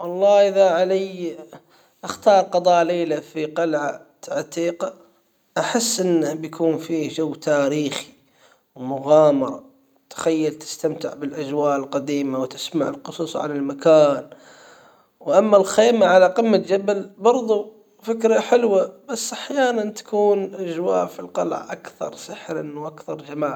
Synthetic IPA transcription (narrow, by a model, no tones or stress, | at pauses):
wɑlˤːɑːʔɪðaʕalaj | ʔaxt̪ɑːɾˤqɑd̪ˤɑːleːlafiqɑlʕat̪aʕt̪iːqa | ʔaħɪsːʔɪnːabjakʰuːnfiːd͡ʒawːt̪ʰaːɾiːxi̥ | wmʊɣɑːmɑɾˤɑ̰ | t̪ḁxajːalt̪ɪ̥st̪amt̪ɪʕbɪlʔad͡ʒwaːʔɪlqad̪iːmawt̪ɪsmaʕɪlqʊsˤuːsˤʕa̰lalmakaːn | wʔamːalxeːmaʕalaqɪmːald͡ʒabalbɑɾˤðˤu | fɪkɾaħɪlwabasːʔaħjaːnant̪ḁkuːnʔad͡ʒwa̰ːʔfilqɑlʕa̰ʔakθɑ̰ɾˤsɪħɾanwʔakθɑɾˤd͡ʒamaːʕ